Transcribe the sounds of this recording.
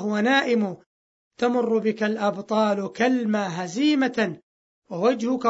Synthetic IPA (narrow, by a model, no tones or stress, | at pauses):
ɦʊwanaːʔɪmʊ | t̪amʊrːʊbɪkalʔɑbt̪ˤɑːlʊkalmaːɦaziːma | wawad͡ʒhʊka